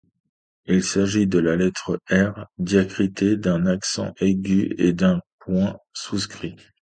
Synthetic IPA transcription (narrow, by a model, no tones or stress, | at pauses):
ilsaʒid̪əlalɛt̪χəɛʁd̪jakχit̪ed̪ɛ̃naksɑ̰̃ʔeɡʲyḛd̪ɛ̃pwɛ̃suskχi